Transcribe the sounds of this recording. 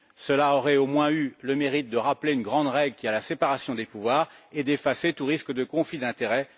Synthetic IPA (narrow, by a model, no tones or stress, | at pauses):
səlaɔʁɛomwɛ̃yləmeʁit̪̚d̪əʁapleynɡʁɑ̃d̪ʁɛɡlkʲialasepaʁasjɔ̃d̪epuvwaːʁed̪efaset̪uʁiskəd̪əkɔ̃flid̪ɛ̃t̪eʁɛ